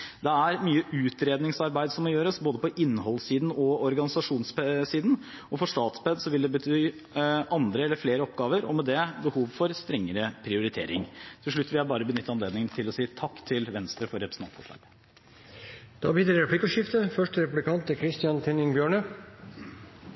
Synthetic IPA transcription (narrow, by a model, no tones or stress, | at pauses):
d̪ɛæɾmyːəʉːt̪ɾeːd̪nɪŋsɑɾbæɪd̪sɔmːɔjøːɾəsboːd̪əpɔʔɪnːhɔlːsiːd̪n̩ɔɔɾɡɑnɪsɑʂuːnssiːd̪n̩ | ɔfɔʂt̪ɑːt̪sbɛd̪sɔʋɪld̪ɛbət̪ʰyː | ʔɑnd̪ɾəɛlːəɾfleːɾəɔpɡɑːʋəɾɔ̰mɛd̪ɛbəhuːʋfɔɾst̪ɾɛŋːəɾəpʰɾɪʊɾɪt̪ʰḛːɾɪ̰ŋt̪ʰɪlʂɭʉt̪ːʋɪlæbɑːɾəbənʏt̪ːəɑnleːd̪nɪŋənt̪ʰɪlɔsiːt̪ʰɑkːt̪ʰɪlʋɛnst̪ɾəfɔɾɛpɾəs̩ʰɑ̰t̪fɔ̰ʂlɑ̰ːɡ | d̪̥ɑ̰ːbiːd̪ɾɑɾɛpʰlɪkːəʂɪft̪əfœʂʈəɾɛpʉblɪkʰɑnt̪əkʰɾɪst̪ɪɑnt̪ʰɛnɪŋbjøːɳə